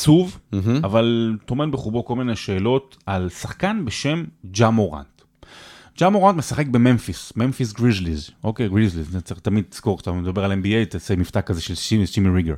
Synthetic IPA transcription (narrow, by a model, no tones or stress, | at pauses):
t͡suv̩avalt̪o̞menbeχubo̞ko̞lmineʃe̞ːlo̞t | alsaχkanbe̞ʃe̞md͡ʒamoʁa̰nt | d͡ʒamoʁant̪mesaχek̚be̞menfismenfisɡʁizlizʔo̞kejɡʁizlizt͡sait̪amid̪̚ti̥z̥ko̞ʁktamedabe̞ʁalembiejt̪asemift̪akːazeʃelʃimit͡ʃimiʁiɡeʁ